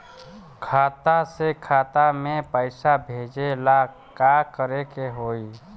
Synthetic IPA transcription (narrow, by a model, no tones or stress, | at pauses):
kʰaːt̪asekʰaːt̪amẽpəɪsabʱeːd͡ʒela | kakəɾekeɦoːi